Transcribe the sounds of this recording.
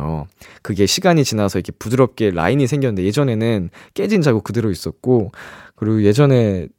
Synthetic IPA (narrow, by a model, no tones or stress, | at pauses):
o̰kɯɡe̞ɕʰiɡaɲit͡ɕinasʰʌikʰe̞pudɯɾʌp̚k͈e̞ɾa̰iɲisʰe̞ŋɡjʌnɯndeje̞d͡ʑʌne̞nɯnk͈e̞d͡ʑind͡ʑaɡokɯdeɾois͈ʌt̚k͈okɯɾiɡoje̞d͡ʑʌne̞